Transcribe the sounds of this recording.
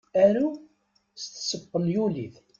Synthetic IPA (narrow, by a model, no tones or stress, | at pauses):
æɾu | st̪ːsəbːənjuliθ